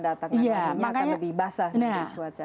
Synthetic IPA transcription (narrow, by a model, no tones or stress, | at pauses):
dat̪aŋjamakaɲaləbɪhbasanat͡ʃuat͡ʃa